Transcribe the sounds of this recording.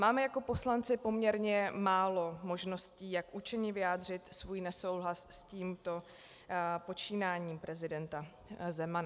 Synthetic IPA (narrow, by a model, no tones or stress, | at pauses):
maːmɛjako̞po̞slant͡sɪpo̞mɲɛɾɲɛmaːlo̞mo̞ʒno̞sciːjakʔut͡ʃɛɲɪvɪjaːd̪r̝ɪt̪svuːjnɛso̞wɦlassciːmt̪o̞ | po̞t͡ʃiːnaːɲiːmpɾɛzɪdɛnt̪a | zɛmana